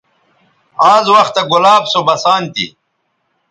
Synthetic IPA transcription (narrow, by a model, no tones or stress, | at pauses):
aːzwɐxt̪ɐɡulaːbsobɐsaːnt̪ḭ